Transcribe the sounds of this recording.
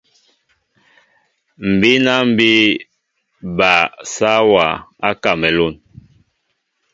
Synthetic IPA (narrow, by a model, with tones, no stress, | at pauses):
m̩˨bi˦na˦m̩˦bi˦ | ba˨sa˦wa˨a˦ka˨mɛ˨lo˦˨n